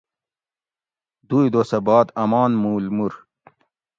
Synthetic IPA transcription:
d̪uːjd̪osɐbaːt̪ɐmɑːnmuːlmuɾ

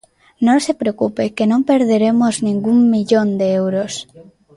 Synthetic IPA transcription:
nõnsepɾeokupekenõmpeɾðeɾemoznĩŋɡummiʎõnd̪eewɾos

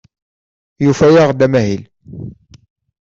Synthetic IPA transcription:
jufæjaʁd̪æmæɦil

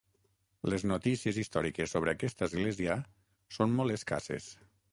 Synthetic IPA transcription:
leznot̪isiezist̪ɔɾikesːoβ̞ɾəːkɛst̪əːzɣlɛziə | sonmɔlˠeska̰sḛs

